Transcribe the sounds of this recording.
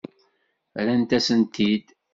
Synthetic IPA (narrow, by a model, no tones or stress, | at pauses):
ɾænt̪æsənt̪id̪